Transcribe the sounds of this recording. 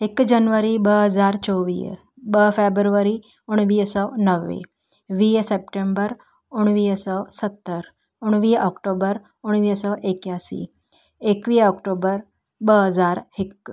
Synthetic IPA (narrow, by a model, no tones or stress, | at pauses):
ekd͡ʒənʋəɾibəɦəd͡zaɾt͡ʃoʋḭːj | bəfebɾʋəɾi | oɽ̃ʋiːjsəʋnəʋːḛ | ʋiːjəsepʈembəɾ | uɽ̃ʋiːjəsəʋsət̪ːəɾ | uɽ̃ʋiːjʔɔkʈobəɾ | oɽ̃ʋiːəsəwʔekjasḭ | ekʋiːjɔkʈobəɾ | bəɦəd͡zaɾhek